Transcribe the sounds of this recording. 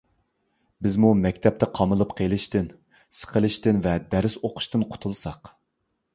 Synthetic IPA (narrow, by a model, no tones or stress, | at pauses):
bɪzmumɛkʲt̪ʰɛp̚t̪ʰɛqʰɑmɨlˠɨpqʰelˠɨʃt̪ɪn | sə̥qʰəlˠɨʃt̪ɪnvɛd̪æɾɪsoqʰʊ̥ʃt̪ɨnqʰʊ̥t̪ʰulˠsɑq